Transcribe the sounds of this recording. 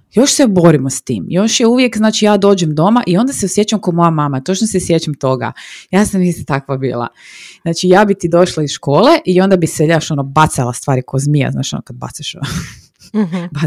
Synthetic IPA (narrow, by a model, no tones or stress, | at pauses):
jo̞ʃsebo̞ɾimost̪ḭːmjo̞ʃjeuʋjekznaːt͡ʃijaːd̪oːd͡ʒemd̪o̞maʔio̞nd̪aseosje̞t͡ʃamkomo̞jamaːmat̪o̞t͡ʃnosesjet͡ɕamt̪o̞ɡa̰jaːsamnist̪at̪akʋabḭːlˠa̰znaːt͡ʃijaːbit̪iːd̪o̞ʃlaisʃko̞ːleʔio̞nd̪abiseʎaʃonobat̪salˠast̪ʋaːɾikozmija̰zna̰ːʃionokad̪̚ba̰t̪seʃo̰no | ba